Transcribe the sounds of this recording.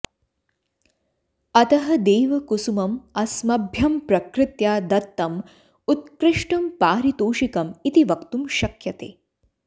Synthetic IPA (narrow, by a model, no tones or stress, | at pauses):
ɐt̪ɐɦɐd̪eːʋɐkusumɐmɐsmɐbʱjɐmpɾɐkɾɪt̪jaːd̪ɐt̪ːɐm | ut̪̚kɾɪʂʈɐmpaːɾit̪oːʃikɐmit̪iʋɐkt̪umʃɐkjɐt̪ḛː